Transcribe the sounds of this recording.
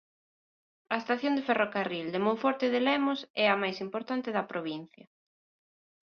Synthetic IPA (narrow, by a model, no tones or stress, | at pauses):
ɐest̪aθjond̪eferokarild̪emõɱfɔɾt̪eð̞elɛmosɛɐmajsimpoɾt̪ant̪ɪðɐpɾoβin̟θjɐ